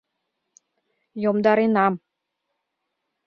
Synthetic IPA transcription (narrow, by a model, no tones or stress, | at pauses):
jomd̪ɑɾenɑm